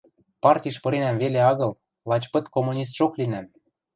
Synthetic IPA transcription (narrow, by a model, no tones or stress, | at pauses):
pɑrtʲiʃpɤ̆ɾenæmveleɑɣɤ̆l | lɑt͡ɕpɤ̆t̪komːunʲis̬t̪ʃoklinæm